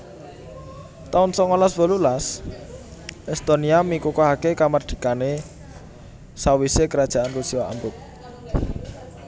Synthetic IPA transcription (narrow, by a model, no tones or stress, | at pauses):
t̪aʊnsɔŋɔlasbɔ̤lulas | ɛst̪oniamikukɔɦakekamarɖ̪̥i̤kane | sawisekəɾad̥ʒ̥a̤ʔanrusiaa̰mbʊk̚